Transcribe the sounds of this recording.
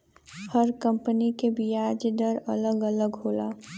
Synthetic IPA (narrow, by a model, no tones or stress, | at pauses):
həɾkə̃mpənikebijaːd͡ʒd̪əɾə̰ləɡələɡɦoːla̰ː